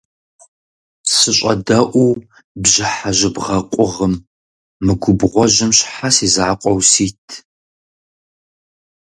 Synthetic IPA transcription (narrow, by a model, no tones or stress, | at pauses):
sɨɕʷʼɐ̰dɐʔʷuw | bʑɪħaʑɪbʁɐqʷʼʊʁəm | mɨɡʷʊbʁʷɔʑɪmɕħasiːzaːqʷʼɔwsiːtʰ